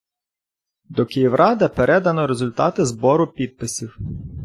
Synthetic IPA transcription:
d̪ɔkɪjiwɾʔɑd̪ɐpeɾʔɛd̪ɐnɔɾezʊlʲt̪ɑt̪ɪzbɔɾʊpʲid̪̚pɪsʲiw

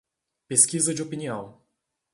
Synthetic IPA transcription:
peskizɐd͡ʒɪopiniɐ̃w̃

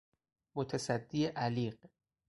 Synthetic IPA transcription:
mot̪ʰæsæd̪ːieʔæliːɢ

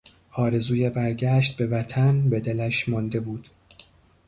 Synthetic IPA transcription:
ɒːɾe̞zuːjebæɾɟæːʃt̪̚be̞væt̪ʰænbe̞d̪e̞læʃmɒnd̪e̞buːd̪̥

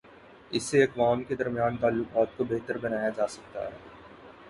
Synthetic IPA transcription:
ɪsːeɐkʋaːmked̪ɐɾmijaːnt̪aːlːʊqaːt̪̚kobeɦt̪əɾbɐnaːjad͡ʒaːsɐk̚t̪a̰ɦɛː

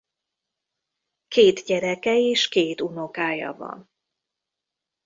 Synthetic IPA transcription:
keːt̪ɟɛɾɛkɛeːʃkeːt̪uno̞kaːjɒ̰vɒ̰n

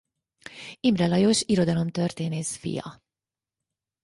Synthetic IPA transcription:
imrɛlɒjoʃiɾo̞d̪ɒlo̞mt̪ø̞rt̪eːneːsfḭjɒ̰

